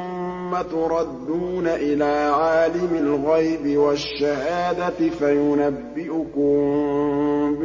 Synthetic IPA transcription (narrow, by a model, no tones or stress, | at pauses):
ʊ | mːat̪ʊɾˤɑd̪ːuːnaʔɪlaːʕaːlɪmɪlɣajbɪwaʃːahaːd̪at̪ɪfajʊnabːɪʔʊkʊm | b